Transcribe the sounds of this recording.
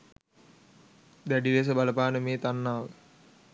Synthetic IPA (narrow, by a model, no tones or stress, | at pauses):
d̪æɖiʋes̬əbaləpaːnəmeːt̪anːaːʋə